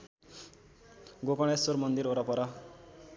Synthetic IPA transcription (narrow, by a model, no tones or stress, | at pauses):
ɡokʌɽ̃esormʌnd̪iɾoɾʌpʌɾʌ